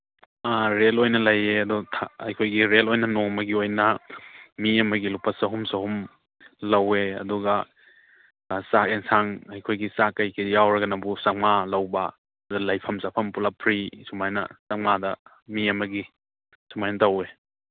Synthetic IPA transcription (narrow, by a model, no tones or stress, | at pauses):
aɾelojnɐlɐjeɐdɔtʰaɐjkʰojɡiɾelojnɐnoŋmɐɡiojnɐ | miɐmɐɡilupɐsɐɦumsɐɦum | lɐweɐ̰duɡɐ | saensaŋɐjkʰojɡisakɐjkʰijawɾɐɡɐnɐbusaŋalɐwbɐ | dulɐjpʰɐmsapʰɐmpulapʰɾisumajnɐ̰saŋadɐ | miɐmɐɡi | sumajnɐtɐwe